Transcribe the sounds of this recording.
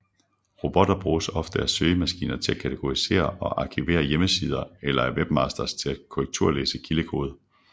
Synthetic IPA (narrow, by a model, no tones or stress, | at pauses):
ʁo̝b̥ɒ̽d̥ɐb̥ʁuːsɒ̽fd̥əæɐsøːəmæsɡ̥ḭːnɐt͡sʰe̝lækʰæt͡sʰeɡ̥o̝ʁise̝̰ːɐɒ̽ʔɑ̈kʰiʋe̝̰ːɐjeməsiːð̞ˠɐelɐæɐʋeb̥mɑ̈sd̥ɐst͡sʰe̝læ̥kʰoʁeɡ̥̚t͡sʰuɐ̰lḛːsəkʰiləkʰo̝̰ːð̞ˠ